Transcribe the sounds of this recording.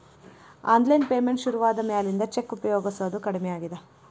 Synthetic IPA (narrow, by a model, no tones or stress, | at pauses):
a̰ːnd̪lɐjnpeːmeɳʈʃuɾuʋaːd̪ɐmɛjaːlind̪ɐt͡ʃekːupɐjoːɡɐsɐd̪ukɐɽimɛjaːɡid̪e